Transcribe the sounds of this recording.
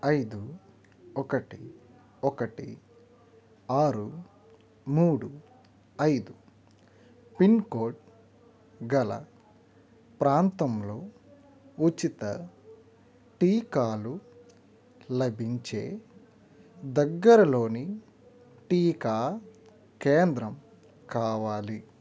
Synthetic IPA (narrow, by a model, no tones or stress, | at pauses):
ɐjd̪u | ɔkɐʈi | ɔkɐʈḭ | aːɾu | muːɽu | ɐjd̪u | pinko̞ːɾʈ̚ | ɡɐlɐ̰ | pɾaːnt̪ɐmlo̞ː | ut͡ʃːit̪ɐ | ʈiːkaːlu | lɐbiɲt͡ʃeː | d̪ɐɡːɐɾɐlo̞ːni | ʈiːkaː | keːnd̪ɾɐm | kaːʋaːli